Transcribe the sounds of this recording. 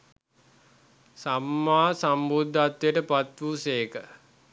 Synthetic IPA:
samːaːsambud̪ʱːat̪ʋjəʈəpat̪ʋuseːkə

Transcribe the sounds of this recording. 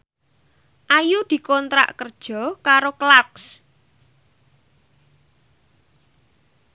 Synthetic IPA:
ʔajud̪̥i̤kɔnt̪ɾa̰ʔkərd̥ʒ̥ɔ̤kaɾoklaks

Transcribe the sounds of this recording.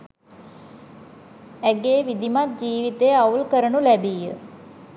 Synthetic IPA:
æɡeːʋid̪imat̪̚d͡ʒiːʋit̪eaulkəɾənulæbijə̰

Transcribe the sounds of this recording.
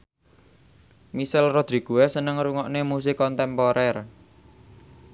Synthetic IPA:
misalrod̪̥ɾi̤ɡ̥ṳwɛsənəŋɾuŋɔʔnemus̬ikɔnt̪ɛmpɔɾɛr

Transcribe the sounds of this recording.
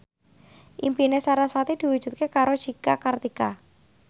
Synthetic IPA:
ʔimpinesaɾaswat̪id̪̥i̤wud̥ʒ̥ṳt̪̚kekaɾo̥ʒ̥ikakart̪ika

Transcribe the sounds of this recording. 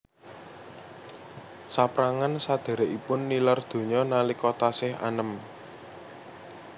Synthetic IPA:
sapɾaŋansad̪̥e̤ɾeʔipʊnːilard̪̥o̤ɲɔnalikot̪asɪha̰nəm

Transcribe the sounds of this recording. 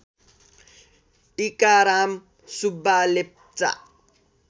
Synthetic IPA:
ʈikaɾam | subalep̚t͡sa̰

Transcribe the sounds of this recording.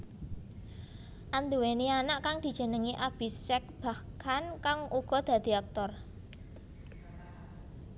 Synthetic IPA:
ʔand̪uwenianaʔkaŋd̪̥i̤d̥ʒ̥ə̤nəŋiʔab̥isɛk̚b̥a̤kʰankaŋuɡ̥ɔ̤d̪̥a̤d̪̥i̤ak̚t̪ɔr

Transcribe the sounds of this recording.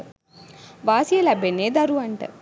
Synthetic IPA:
ʋaːsijɐlɐbʱeneːd̪ɐɾuʋɐɳʈɐ̰

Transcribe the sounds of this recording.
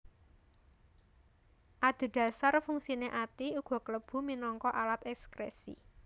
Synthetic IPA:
ʔad̪̥e̤d̪̥a̤sarfuŋsineʔat̪iuɡ̥ɔ̤kələb̥ṳminɔŋkɔʔalat̪ɛkskɾḛsḭ

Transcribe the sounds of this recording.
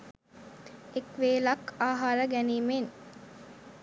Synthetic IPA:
ekʋeːlɐkaːɦaɾəɡæniːmen

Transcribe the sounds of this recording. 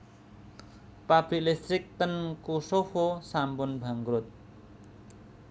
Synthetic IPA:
papʰilest̪rik̚t̪ʌnkosohosambunbʱaŋɡɾut̪̚

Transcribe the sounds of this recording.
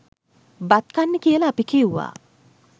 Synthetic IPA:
bat̪kanːəkijəlɐːpikiuʋa̰ː

